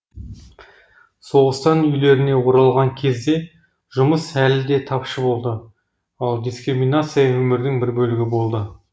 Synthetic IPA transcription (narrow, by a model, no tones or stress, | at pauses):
so̞ʁəst̪ɑnʏjle̞ɾɪne̞wo̞ɾɑlˠʁɑŋkʲʰe̞zd̪e̞ | ʒ̥ʊməsælɪd̪e̞t̪ʰɑpʃəbo̞lˠd̪ə | ɑlˠd̪ʲijskɾimʲinat̪sɨjawɵmɪɾd̪ɪŋbɪɾbɵlɪɡʲɪbo̞lˠd̪ə